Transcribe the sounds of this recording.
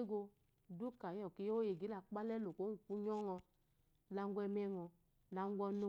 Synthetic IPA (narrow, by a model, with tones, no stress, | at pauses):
ɡo˧ | du˦ka˨jɔ˨ki˨˦jo˦je˨ɡi˦la˨k͡pa˦lɛ˦lo˨ko˨˦ŋ̩˨ku˦ɲɔ˦ŋɔ˧ | la˦ŋ˦ɡʷɛ˦mɛ˦ŋɔ˨˧ | la˨ŋ˦ɡʷɔ˦no˦